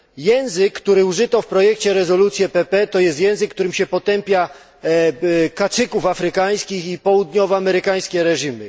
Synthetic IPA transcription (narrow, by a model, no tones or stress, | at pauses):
jɛ̃w̃zɘkːt̪uɾɘuʐɘt̪ɔfpɾɔjɛkt͡ɕɛɾɛzɔlut̪sʲjɛpɛpɛt̪ɔjɛst̪jɛ̃w̃zɘkːt̪uɾɘmɕɛpɔt̪ɛmpʲja | kasɘkufafɾɘkaj̃skʲixipɔwud̪ɲɔvɔamɛɾɘkaj̃skʲɛɾɛʐimɘ